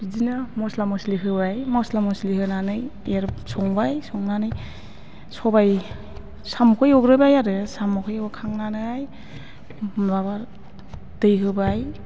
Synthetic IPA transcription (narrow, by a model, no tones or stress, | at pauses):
zinɯmɔslamɔsliɦɯbajmɔslamɔslihɯnanɯjjaɾsɔŋbajsɔŋnanɯj | sɔbaj | samɔkʰɔjɔɡɾɯbajaɾɯsamɔkʰɔjɔɡɯkʰaŋnanɯaj | baβaɾ | dɯjɦɯbaj